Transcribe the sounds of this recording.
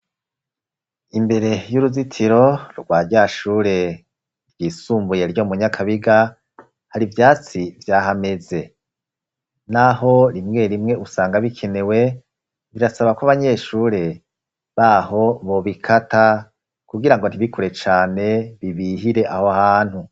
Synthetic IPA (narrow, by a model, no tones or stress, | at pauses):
imbe̞ɾe̞juɾuzitʰiɾo̞ɾɡwaːɾɟaʃuːɾe̞ | ɾɟiːsuːmbuje̞ɾɟo̞muɲakʰaβiɡa | haɾivjaːt͡sivjaːɦame̞ze̞ | naɦo̞ɾimŋe̞ɾimŋe̞usaːŋɡaβikʰe̞ne̞we̞ | βiɾasaβakwaβaɲe̞ːʃuːɾe̞ | βaɦo̞βo̞βikʰata | kuɡiɾaŋɡo̞n̥iβikuɾe̞t͡ʃaːne̞βiβiɦiɾe̞ʔahohaːn̥hu